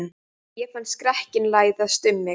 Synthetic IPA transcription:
n | jɛfant̪skɾɛhcɪnlaːjðaðst̪ʏmːɪ

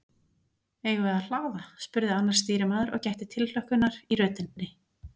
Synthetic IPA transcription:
eːjɣʏvɛðal̥aːwðaspʏɾðɪanːaɾ̥st̪iːɾɪmaːðʏɾʔɔ̰ɣcajht̪ɪt̪ʰɪllœhkʏnaɾiɾœːt̪ɪnːɪ

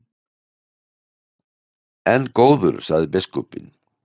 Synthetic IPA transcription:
ɛnːkoːwðʏ̰ɾsaɣðɪpɪskɔpɪ̰n

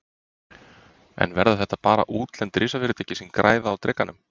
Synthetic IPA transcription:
ɛ̰nvɛɾðaθɛht̪ːapaːɾa̰ʔuːt̪lɛnt̪ɾʔɪːsafɪːɾʏt̪ʰɛːjcːɪsɪnkɾʔaːjðaːwt̪ɾɛkːanːʏm

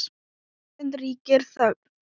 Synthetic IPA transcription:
ɪnt̪riːcɪɾ̥θœɣ

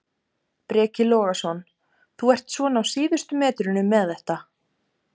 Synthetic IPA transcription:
pɾɛːcɪlɔːɣasɔn | θuɛr̥t̪svɔnawsiːðʏst̪ʏmɛːt̪ɾɪnʏmːɛðɛht̪a

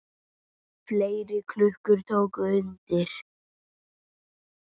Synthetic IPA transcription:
fleːjɾɪkʰlʏhkʏɾ̥t̪ʰoːwkʏʏnt̪ɪɾ̥

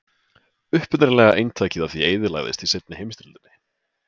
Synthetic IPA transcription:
ʏhpʏnɪɾlɛːɣaʔejnt̪ʰaːjcɪðaθvieːjðɪla̰ɣðɪ̰st̪isejt̪nɪhejmst̪ɪlt̪ʏnːɪ

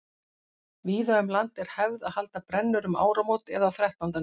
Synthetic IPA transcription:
viːðaʏmlant̪ɛɾ̥hɛvðaðhal̪t̪apɾɛnːʏɾʏma̰ːwɾamowt̪ɛðaθɾɛht̪nant̪a

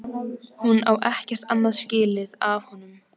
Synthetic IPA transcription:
hunawʔɛhcɛr̥t̪anːaðscɪːlɪðavhɔnːʏm

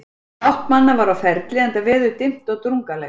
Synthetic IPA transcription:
awht̪manːavaɾawfɛɾt̪lɪɛnt̪avɛːðʏt̪ɪm̥t̪ɔɣt̪ɾuŋkalɛ

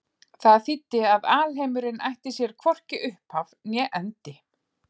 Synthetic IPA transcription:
θaðθit̪ːɪaðaːlɦejmʏɾɪnʔa̰jht̪ɪsjɛɾ̥kʰvɔr̥cɪʔʏhphavnjɛʔɛnt̪ɪ

